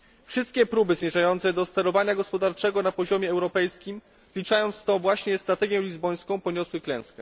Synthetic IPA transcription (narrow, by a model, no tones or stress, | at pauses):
fʂɘst̪kʲɛpɾubɘzmʲjɛʐajɔnt̪sɛd̪ɔst̪ɛɾɔvaɲaɡɔspɔd̪aɾt͡ʂɛɡɔnapɔʑɔmʲjɛɛwɾɔpɛjskʲim | vlʲit͡ʂajɔnt̪st̪ɔ̃vwaɕɲɛst̪ɾat̪ɛɡʲjɛlʲizbɔj̃skɔ̃w̃pɔɲɔswɘklɛ̃w̃skɛ